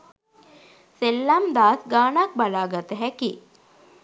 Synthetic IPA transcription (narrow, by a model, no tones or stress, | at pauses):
selːamd̪aːsɡaːnak̚balaːɡat̪əɦæki